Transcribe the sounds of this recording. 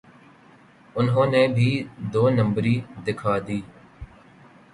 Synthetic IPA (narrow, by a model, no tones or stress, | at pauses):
ʊnɦõːneːbʱiːd̪oːnə̃mbɾiːd̪ɪkʰaːd̪iː